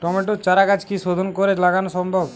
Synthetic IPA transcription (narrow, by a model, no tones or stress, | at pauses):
ʈɔmeʈut͡ʃaɾakat͡ʃkisod̪ʱonkɔɾet͡ʃlaɡanɔsɔmbʱɔb